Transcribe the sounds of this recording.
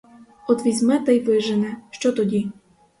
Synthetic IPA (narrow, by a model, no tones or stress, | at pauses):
ɔd̪ʋʲizʲmɛt̪ajʋɪʒɛnɛʃt͡ʃɔt̪ɔdʲi